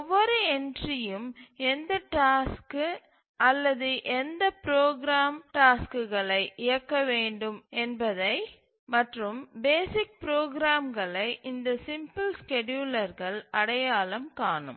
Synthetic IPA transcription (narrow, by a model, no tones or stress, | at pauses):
ɔʋːɐɾɯɛɳdrɪjɯmɛnd̪ɐʈaːsk | ɐlːɐðɯʔɛnd̪ɐpɪɾoːɡɾaːmʈaːskɯɣɐɭɐɪʔɪjɐkːɐʋeːɳɖɯmɛnbɐðɐɪ | mɐʈrɯmbeːsɪk̚pɾoːɡɾaːmɡɐɭɐɪʔɪnd̪ɐsɪmpɯlskɛɖjuːlɐɾɣɐɭɐɽɐjaːlɐmkaːɳɯ̰m